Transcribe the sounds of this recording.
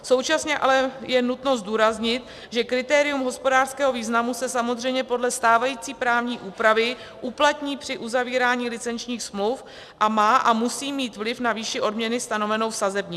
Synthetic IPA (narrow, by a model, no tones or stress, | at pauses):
so̞wt͡ʃasɲɛʔa̰lɛjɛnut̪no̞zduːɾazɲɪt̪ | ʒɛkɾɪt̪ɛːɾɪjumɦo̞spo̞daːr̥skɛːɦo̞viːznamusɛsamozr̝ɛjmɲɛpo̞dlɛst̪aːvajiːt͡siːpɾaːvɲiːʔuːpɾavɪ | ʔuplat̪ɲiːpr̥ɪʔuzaviːɾaːɲiːlɪt͡sɛnt͡ʃɲiːxsmluf | ʔamaːʔamusiːmiːt̪vlɪfnaviːʃɪʔo̞dmɲɛnɪst̪ano̞vɛno̞wfsazɛbɲi